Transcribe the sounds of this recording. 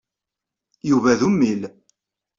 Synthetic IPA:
juvæðumːil

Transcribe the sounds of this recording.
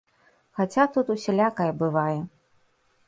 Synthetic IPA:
xat͡sʲat̪ut̪usʲalʲakɐjɐbɨvajɛ

